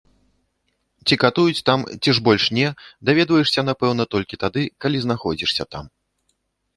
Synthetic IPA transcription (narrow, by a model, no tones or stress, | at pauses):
t͡sʲikat̪ujut͡sʲt̪amt͡sʲiʐbɔlʲʂnʲɛd̪avʲɛd̪vɐjɛʂsʲɐnapɛwnɐt̪ɔlʲkʲit̪ad̪ɨkalʲizn̪axɔd͡zʲiʂsʲɐ̰t̪am